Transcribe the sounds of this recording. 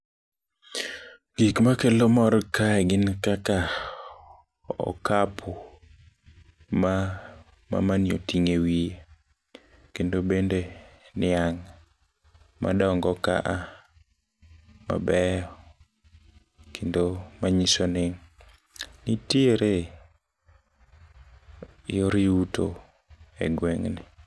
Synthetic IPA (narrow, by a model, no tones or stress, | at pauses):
ɡ̥ikmakelomɔɾkʰaɛɡɪnkaka | ɔ̰kapʰo | ma | ma̰manjo̰tiŋewie | kendobendenɪaŋ | ma̰dɔŋɡɔka̰ʔa | ma̰bɛɔ | kʰendomaɲisonɪŋ | nitieɾe | joɾiuto̰ | ɛ̰ɡweŋnɪ